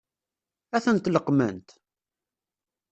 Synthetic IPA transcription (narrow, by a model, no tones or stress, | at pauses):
æθənt̪ləqːmə̰nt̪